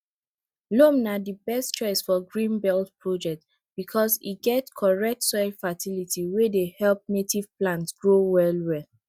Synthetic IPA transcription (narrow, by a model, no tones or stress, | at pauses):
lomnadibɛstt͡ʃɔɪsfɔɡɹĩnbɛltpɹod͡ʒɛk̚t | b̥ikʰɔsḭɡɛtkʰɔɹɛk̚tsɔɪfatilitʰiwedehɛlp̚netiv̥plãntsɡɹowɛlwɛl